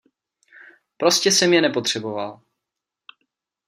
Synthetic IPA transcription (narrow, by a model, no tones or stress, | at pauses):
pɾo̞scɛsɛmjɛnɛpo̞t̪r̝̥ɛbo̞val